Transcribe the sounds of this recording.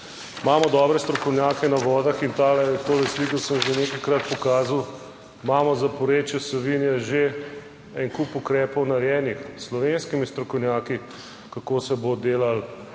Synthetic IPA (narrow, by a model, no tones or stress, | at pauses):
maːmɔd̪ɔːbɾɛst̪ɾɔkɔwnʲjaːkɛnaʋɔːd̪axint̪aːlɛt̪oːlɛslikɔsəmʒeneːkajkɾat̪̚pɔkaːzaw | maːmɔzapɔɾeːt͡ʃɛsɔʋinjɛʒe | ɛnkupukɾɛːpɔwnaɾjɛːnixslɔʋenskimist̪ɾɔkɔwnjaːki | kakoːsɛbod̪eːlal